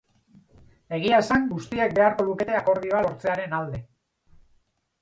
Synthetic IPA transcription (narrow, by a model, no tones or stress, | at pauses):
e̞ɣ̞iae̞saŋɡust̪iek̚be̞aɾko̞ðuke̞t̪eako̞ɾðio̞alo̞ɾt͡se̞aɾe̞nald̪e̞